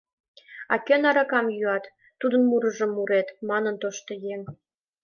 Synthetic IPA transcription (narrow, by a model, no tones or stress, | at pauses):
ɑ̰kønɑɾɑkɑmjyɑt̪ː | ud̪ənmuɾə̆ʒəmːuɾet̪mɑnənt̪oʃt̪ŏjeŋ